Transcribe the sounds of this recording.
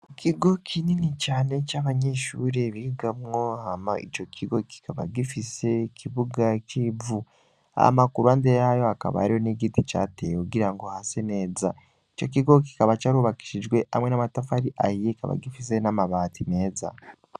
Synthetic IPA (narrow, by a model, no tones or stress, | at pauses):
kʰiɡo̞kʰininit͡ʃaːne̞t͡ʃaːβaɲe̞ʃuːɾeβiɡamŋo̞hamait͡ʃo̞kʰiɡo̞ki̥kaβa̰ɡifise̞kʰiβuɡat͡ʃiːvu | a̰makuɾuandejajo̞aka̰βa̰ːɾijo̞neɡitit͡ʃa̰tḛjekuɡiɾaŋɡo̞hase̞ne̞ːza | it͡ʃo̞k̬iɡo̞k̬i̥kaβat͡ʃaɾuβaki̥ʃid͡ʒɡwe̞ʔa̰mwe̞namatafaɾiʔaijekaβa̰ɡifise̞namaβaːtime̞ːza̰